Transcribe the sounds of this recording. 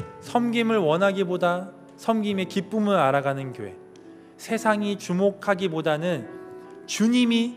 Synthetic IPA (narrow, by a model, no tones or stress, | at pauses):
sʰʌmɡimɯɭwʌnɦaɡiboda | sʰʌmɡime̞kip͈umɯɾaɾaɡanɯnkjo̰e̞̰ | sʰe̞sʰaŋit͡ɕumokʰaɡibodanɯnt͡ɕuɲimi